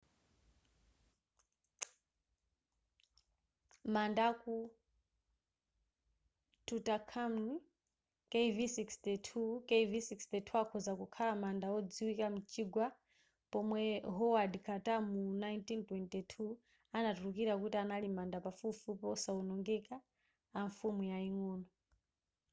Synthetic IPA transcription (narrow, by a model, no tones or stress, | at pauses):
mandaku | tʰutakʰamni | kevisikstɛtʰukeivisikstɛtʰuakʰɔzakukʰalamandaɔd͡ziwikamut͡ʃʰiɡwa | pɔmwɛɦɔwadikʰatamunajntintwɛntɛtʰu | anatuɾukiɾakutianalimandapafufupɔsaunɔŋɡɛkaː | ɱfumujaiŋɔːnɔ